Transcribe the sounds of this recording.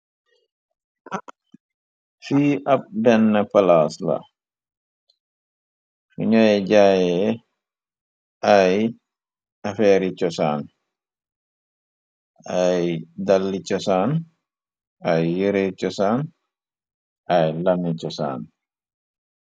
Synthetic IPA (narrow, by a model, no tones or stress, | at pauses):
fiːʔap̚dɛnːapalaːsla̰ | fḭɲɔjɛd͡ʒajɛ | ʔaj | ʔafɛːɾit͡ʃɔsaːn | ajdalːit͡ʃɔsaːn | ʔajːiɾet͡ʃɔsan | ʔajlanːit͡ʃɔsa̰ːn